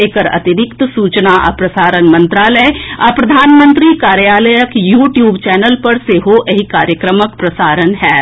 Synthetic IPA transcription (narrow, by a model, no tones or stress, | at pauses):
eːkəɾɐ̰t̪ɪɾɪkt̪suːt͡ʃnaʔɐ̰pɾɐsaːɾənmə̃nt̪ɾaːləjapɾɐd̪ʱaːnmə̃nt̪ɾikaːɾjaːləjəkjuːʈjuːbt͡ʃɛːnəlpɐɾseɦoʔɐɦikaːɾjəkɾəməkpɾɐsaːɾənɦɛː